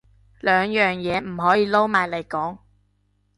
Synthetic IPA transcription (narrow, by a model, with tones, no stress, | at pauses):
lœː˨ŋjœː˨ŋjɛː˨˧m̩˨˩ɦɔː˨˥jiː˨˧lo˥wmaː˨˩jle˨˩jkɔː˨˥ŋ